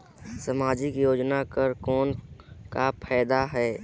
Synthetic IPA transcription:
səmaːd͡ʒikjoːd͡ʒnakəɾkɔːnkapʰɛːd̪aɦɛː

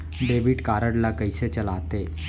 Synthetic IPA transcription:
ɖeʋiʈkaɾəɽlakəjset͡ɕəlat̪e

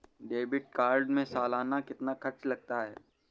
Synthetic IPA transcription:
ɖeːbɪʈ̚kaːɾɖmẽsaːlaːnakɪt̪nakʰɐɾt͡ʃlɐɡ̚t̪aɦɛː

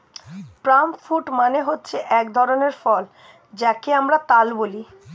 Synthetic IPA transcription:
pɾamfuʈmaneɦotːɕʰeʔɛkd̪ʱɔɾoneɾfɔl | d͡ʑakeamɾat̪alboli

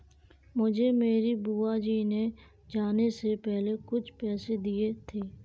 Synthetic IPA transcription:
mʊd͡ʒʱemeːɾibuːaːd͡ʒiːne | d͡ʒaːnesepɛːɦlekʊt͡ʃʰpɛːsed̪iet̪ʰeː

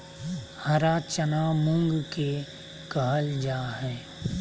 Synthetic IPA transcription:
həɾaːt͡ʃənamʊ̃ŋɡke | kəɦəld͡ʒaːɦɛː

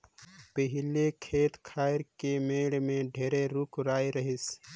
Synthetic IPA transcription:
pəɦɪlekʰeːt̪kʰaːɪɾkemeːɽmẽɖʱeːɾeɾukɾaːiɾəɦɪs

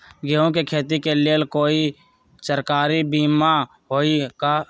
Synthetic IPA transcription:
ɡeõkekʰeːt̪ikeleəlkoːi | səɾkaːɾibiːma | ɦoːika

